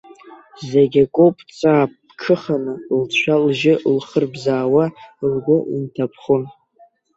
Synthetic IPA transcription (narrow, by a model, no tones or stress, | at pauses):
zeɡʲakʷʼopʼt͡sʷʼaːp̚ʼː | kʰɨχanɨlt͡ɕʷʰalʒɪlχərbzaːwalɡʷʊʔintʰapʰχʊn